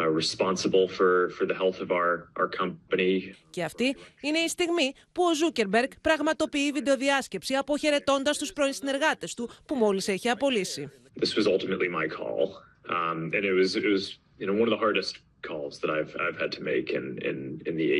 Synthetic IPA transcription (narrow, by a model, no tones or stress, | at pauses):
ɹɨspɑ̃nsəbl̩ˠfə˞fə˞ðɨhɛlˠθʌvaʊə˞ʔaə˞kʰʌ̃mpɨnice̞ɐft̪iine̞ist̪iɣmi | puo̞zuce̞ɾbe̞ɾɡpɾɐɣmɐt̪o̞piivid̪e̞o̞ðiɐsce̞psiɐpoçe̞ɾe̞t̪o̞nd̪ɐst̪uspɾo̞insine̞ɾɣɐt̪e̞st̪upumo̞lise̞çiɐpo̞lisi | ðɪswʌzʌlˠtəmɨʔˡlimaɪkʰɔ̰lˠ | ɨ̃nɨt̚wʌzɪt̚wʌz | jɨnoʊwʌ̃nʌvðəɦɑɹɾɨst̚ | kʰɔlˠzðɨɾaɪv̥a̰ɪv̥ɨd̚tʰɨmeɪkɪ̰̃nɪ̰̃nɨ̰̃nðiḛ